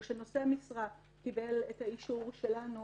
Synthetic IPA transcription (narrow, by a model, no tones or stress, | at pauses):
ʃeno̞seamisʁa | kibelethaiʃuʁʃe̞lanu